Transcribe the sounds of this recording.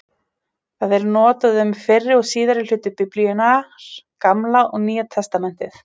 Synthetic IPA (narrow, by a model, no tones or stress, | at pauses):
θaðɛɾnɔːt̪aðʏmfɪrːɪɔɣsiːðaɾɪl̥ʏːt̪ʏpɪpliɛnaɾ̥kamlaʔɔɣniːjat̪ʰɛst̪amɛn̥t̪ɪθ